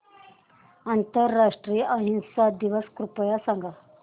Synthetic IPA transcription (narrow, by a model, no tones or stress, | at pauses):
ant̪əɾːaʂʈɾiːjʔəɦinsad̪iʋəskɾupəjasaŋɡʱa